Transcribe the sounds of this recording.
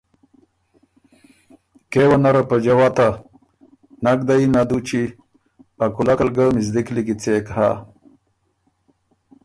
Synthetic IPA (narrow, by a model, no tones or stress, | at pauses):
kewanaɾapad͡ʑawat̪a | naɡ̚d̪ainad̪ut͡ɕi | akulakalɡəmizd̪ikliɡit͡sekha̰